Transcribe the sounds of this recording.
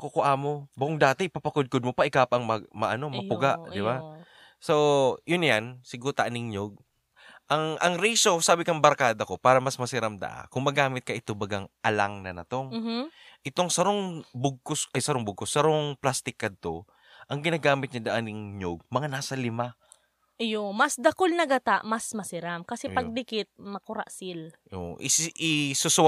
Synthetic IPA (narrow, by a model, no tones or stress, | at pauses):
ɐkokoʔaːmo̞bɐkoŋd̪aːt̪ɛʔɪpapɐkod̪̚kod̪̚mopɐʔɪkaːpɐɐŋmɐmɐʔɐno̞mɐpʊɡaʔd̪ɪba | sojʊnjansɪɡut̪ɐʔanɪŋɲoɡ̚ | ʔɐŋʔɐŋɾiːso̞saːbɪkɐŋbɐɾkaːd̪ɐko̞paːɾɐmɐsmɐsɪɾɐmd̪ɐ̰ʔa̰kʊŋmɐɡaːmɪt̪̚kɐʔɪt̪obɐɡaŋʔɐlaŋnɐnɐ̰t̪o̞ŋʔɪt̪oŋsɐɾoŋbʊɡ̚kʊsɐjsɐɾoŋbʊɡ̚kosːɐɾoŋplast̪ɪkːɐd̪̚t̪o̞ | ʔɐŋɡɪnaːɡaːmɪt̪̚ɲɐd̪ɐʔanɪŋɲoɡ̚mɐŋanaːsɐlɪma | ʔjomɐsd̪ɐkolnɐɡɐt̪aʔmɐsmɐsɪɾamkɐsɛpɐɡ̚d̪ɪkɪt̪̚mɐkʊɾa̰ʔsɪlʔo̰ʔɪ̰ʔɪsʊs